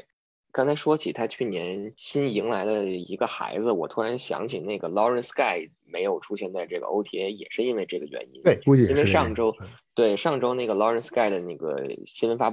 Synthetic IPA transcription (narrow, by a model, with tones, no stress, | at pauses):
kɑ˥ŋt͡sʰa˧˥ɪʂwɔ˥t͡ɕʰi˨˩t̪ʰa˥t͡ɕʰy˥˩njɛ˧˥nɕi˥ni˧˥ŋla˧˥ɪd̪ə˧ḭ˧˥ɡə˧xa̰˧˥ɪd͡zɹ̩˧wɔ˨˩t̪ʰu˥ɻa˧˥nɕjɑ̰˧˥ŋt͡ɕʰi˨˩na˥˩ɪɡə˩lɑ˥ɻə˥nska˥˩ɪ | me˧˥ɪjo˨˩ʊʈ͡ʂʰu˥ɕjɛ˥˧nt͡sa˥˧ɪʈ͡ʂɤ˥˩ɡə̰˩ʔo̰˧˥ʊt̪ʰjɛ˧˥jɛ̰˨˩ʂɻ̩˥˧i˥nwe˥˧ɪʈ͡ʂɤ˥˩ɡə˩ɥɛ̰˧˥ni˥n˥˩u˥˧i˥nwe˥˧ɪʂɑ˥˩ŋʈ͡ʂo˥ʊt̪we˥˩ɪʂɑ˥˩ŋʈ͡ʂo˥ʊna˥˩ɡə˩lɑ˥ɻə˧˥nska˥˩ɪd̪ə˩na˥˩ɡə̰˩ɕi˥nwə˧˥nfa˥p